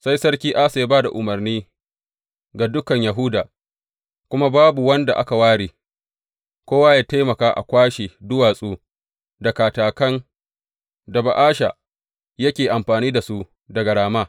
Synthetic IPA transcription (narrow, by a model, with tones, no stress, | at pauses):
sa˦jsɐ˦ɽkʲiː˦ʔa˦sa˨˦baː˦da˨ʔʊ˨mɐ˨rniː˦ | ɡa˨dʊ˦kɐ˨ɲja˨ɦʊ˦daː˨ | kʷʊ˦ma˦baː˦bu˨wɐ˦nda˨ʔa̰˦ka˨waː˦ɽiː˨ | kʷoː˦waː˦jaː˦ta˦jmɐ˨kaː˦ʔa̰˨kʷaː˦ʃeː˨dʊ˦waː˨sʼuː˦ | dɐ˨kaː˨taː˨kɐ˦n | dɐ˨ba˨ʔaː˦ʃa̰˨ | jɐ˦kʲeː˨ʔa˨mɸaː˨niː˦da˨su˦ | dɐ˨ɡɐ˨ɽaː˨maː˦